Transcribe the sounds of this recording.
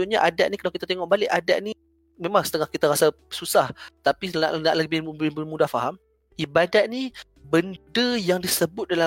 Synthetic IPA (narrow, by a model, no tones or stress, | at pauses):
uɲaʔadat̪̚nikəlawkit̪at̪eŋɔʔbalɪʔadaʔ̪̚ni | memãŋsət̪əŋahkit̪aɾasa | susaht̪apina̰ʔnaʔləbɪhbɪbəmudahfaɦam | ibadat̪̚ni | bəndəjaŋdisəbʊt̪̚dala